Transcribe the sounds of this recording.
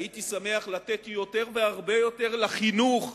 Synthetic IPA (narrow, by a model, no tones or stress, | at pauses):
it̪isame̞aχlat̪et̪jo̞t̪e̞ʁve̞aʁbe̞jo̞t̪e̞ʁlaχinuχ